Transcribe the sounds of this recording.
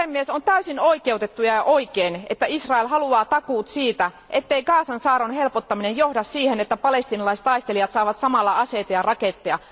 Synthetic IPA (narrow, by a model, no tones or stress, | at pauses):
emːiesont̪æysinoikeut̪et̪ːujɑjɑʔoikeːnet̪ːæisrɑelɦɑluɑːt̪ɑkuːt̪siːt̪æ | ʔet̪ːeikɑːsɑnsɑːɾonhelpot̪ːɑminejjohdɑssiːhenet̪ːæpɑlest̪iːnɑlɑise̥t̪ɑist̪elijɑt̪sɑːʋɑt̪sɑmɑlːɑɑset̪ɑjɑrɑket̪ːeɑ